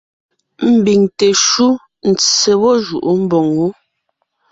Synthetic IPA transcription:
m̩˨bi˨ŋte˨ʃu˦ | n̩˨t͡se˨wɔ˦ʒṵ˨ʔu˦m̩˦bɔ˨ŋwu˦

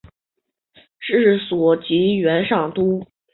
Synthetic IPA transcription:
ʈ͡ʂɻ̩˥˩swɔ˨˩t͡ɕi˧˥ɥɛ˧˥nʂɑ˥˩ŋt̪u˥

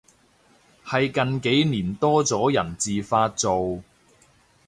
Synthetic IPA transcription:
hɐ˨jkɐ˨nke˨˥jniː˨˩nt̪ɔː˥t͡sɔː˨˥jɐ˨˩nt͡siː˨faː˧t̚t͡so˨w

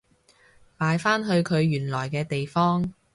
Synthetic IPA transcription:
paː˨˧jfaː˥nɦɵ˧ɥkʰɵ˨˧ɥjyː˨˩nlɔː˨˩jkɛː˧t̪e˨jfɔː˥ŋ

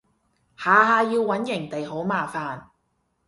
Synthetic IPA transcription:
haː˨ɦaː˧jiː˧wːɐ˨˥njɪ˨˩ŋt̪e˨jho˨˥wmaː˨faː˨n

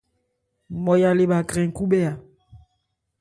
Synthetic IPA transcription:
mɔ˨ja˨le˦˨ɓa˨ɡkʁɛ̃˨ŋ̩˨ku˦ɓɛ˦a˨

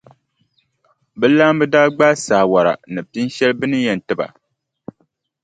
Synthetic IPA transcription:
bɛ˦la˦mbɨ˦daː˦ɡ͡baː˦sa˨wa˨ɾa̰˨nɨ˨pi˦n˦ʃɛ˦lbɨ˦nɨ˦jɛ˨n˨tɨ˦ba̰˨

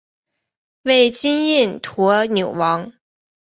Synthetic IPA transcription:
we˥˩ɪt͡ɕi˥ni˥˩nt̪ʰɔ˧˥njo˨˩ʊwɑ˧˥ŋ

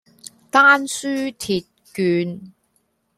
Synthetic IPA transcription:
t̪aː˥nsyː˥t̪ʰiː˨t̚kyː˨˧n

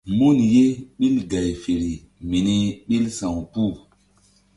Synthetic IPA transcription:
mo˦nje˦ɓi˦lɡa˨jfe˨ɾi˨ | mi˨ni˦ɓi˦lsã˨wpu˦˨

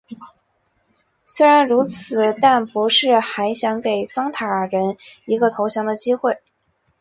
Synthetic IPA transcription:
swe˥ɪɻa˧˥nɻu˧˥t͡sʰɹɹ̩˨˩t̪a˥˩npu˧˥ʂɻ̩˥˩xa˧˥ɪɕjɑ˧˥ŋke˨˩ɪsɑ˥ŋt̪ʰa˨˩ɻə˧˥ni˧˥ɡə˧t̪ʰo˧˥ʊɕjɑ˧˥ŋd̪ə˨t͡ɕi˥xwe˥˩ɪ

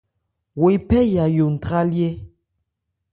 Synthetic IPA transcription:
we˨˦pɛ˦ja˨jo˨n̩˨tɾa˦lje˦

